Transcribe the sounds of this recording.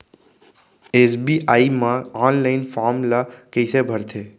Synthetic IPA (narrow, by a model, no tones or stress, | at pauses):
eːsbiʔaːimãaːnlaɪnfʰaːɾmlakəɪsebʱəɾt̪ʰeː